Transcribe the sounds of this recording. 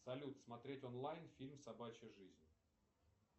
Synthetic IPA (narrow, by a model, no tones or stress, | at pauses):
sɐlʲut̪smɐt̪ɾʲetʲonlˠajnfʲilʲmsɐbat͡ɕɪʐɨzʲnʲ